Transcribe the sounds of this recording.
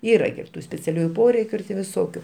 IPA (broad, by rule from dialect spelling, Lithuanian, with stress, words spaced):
ˈiːrɐ ɡʲɪ ɪr ˈtuː sʲpʲɛt͡sʲɛˈlʲuːjʊ ˈpoːrʲɛɪkʲʊ ɪr tʲeː ʋʲɪˈsoːkʲʊ